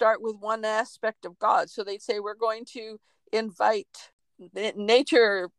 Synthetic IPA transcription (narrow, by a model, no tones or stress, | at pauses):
tɑɹʔ̚wɪðwʌ̃næspɛk̚tʌvɡɑd̥soʊðeɪseɪwɪɹɡoʊɪ̃ŋtʰɨ | ʔɪ̃ɱvaɪt | neɪt͡ʃə˞